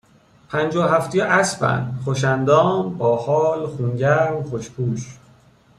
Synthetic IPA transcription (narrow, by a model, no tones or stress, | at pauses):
pʰænd͡ʒɒːɦæft̪ʰijeʔæsbæ̰nd̪χoʃænd̪ɒːmbɒːhɒːlχunɟæɾmχoʃpʰuːʃ